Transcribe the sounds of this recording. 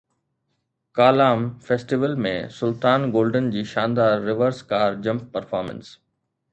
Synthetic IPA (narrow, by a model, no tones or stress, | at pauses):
kaːlaːmfeːsʈɪʋəlmḛ̃sʊlt̪aːnɡoːlɖənd͡ʑiːʃãːnd̪aːɾːɪʋəɾskaːɾd͡ʑɐ̃mp̚pɐɾfaːɾmə̰̃ns